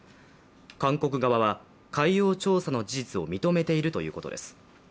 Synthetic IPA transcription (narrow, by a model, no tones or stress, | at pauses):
kãŋko̞k̬ɯ̟ɡaβaβa | kaijo̞ːt͡ɕo̞ːsano̞d͡ʑiʑit͡sɨo̞mʲit̪o̞me̞t̪e̞iɾɯ̟t̪o̞̰jɯ̟̰ːko̞t̪o̞d̪esɨ̥